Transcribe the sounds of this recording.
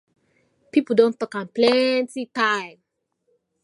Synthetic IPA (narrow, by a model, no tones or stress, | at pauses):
pipl̩ˠdõntɔkãnplɛntitaɪ̃m